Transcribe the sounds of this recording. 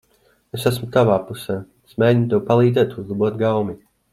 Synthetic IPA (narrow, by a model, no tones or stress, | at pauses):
esæsmut̪avaːpusɛː | esmɛːint̪uɔwpalˠiːd̪zɛːt̪uzlˠabuɔt̪ɡawmi